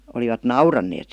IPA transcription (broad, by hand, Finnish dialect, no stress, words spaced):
oliʋɑt nɑurɑnːeːt